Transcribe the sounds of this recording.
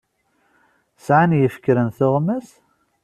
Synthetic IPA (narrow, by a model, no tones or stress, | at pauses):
sʕanjəfkːɾənθʊʁmæs